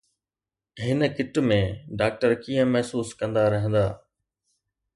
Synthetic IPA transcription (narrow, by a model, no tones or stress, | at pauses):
ɦɪnəkɪʈmẽːɖaːk̚ʈəɾkiːə̃mɛɦsuːskɐ̃nd̪aɾɐɦə̃nd̪aː